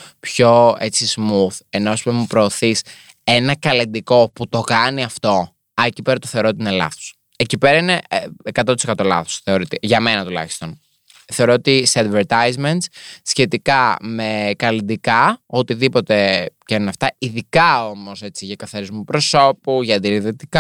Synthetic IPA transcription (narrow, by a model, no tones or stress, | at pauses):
pço̞e̞t͡sismuθe̞no̞spmupɾo̞ːθis | e̞nɐkɐlind̪iko̞put̪o̞kɐniɐft̪o̞ | ɐecipeɾɐt̪oθe̞o̞ɾot̪iinelɐ̰θo̥s | ecipe̞ɾɐineekɐt̪ot̪i̥sekɐt̪o̞lɐ̰θo̥sθe̞oɾit̪eʝɐme̞nɐt̪ulɐ̰çi̥st̪o̞n | θe̞o̞ɾoot̪iseɐd̪veɾt̪ɐjzment̪ssçe̞t̪ikɐme̞kɐlind̪ikɐot̪iðipo̞t̪e̞cɐnnɐft̪ɐiðikɐo̞mo̞se̞t͡siʝɐkɐθɐɾizmupɾo̞so̞puʝɐɐnd̪iɾiðet̪ikɐ